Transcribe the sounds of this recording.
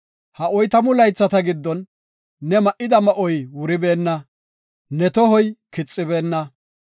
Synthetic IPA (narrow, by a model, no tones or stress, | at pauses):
hɐʔɔjt̪ɐmʊlɐjt͡sːɐt̪ɐɡɪd̪ːɔnː | ɛmɐʔɪd̪ɐmɐʔɔjwʊɾɪbe̞ːnːɐ | nɛt̪ɔɦɔjkɪt͡sʼːɪbe̞ːnːɐ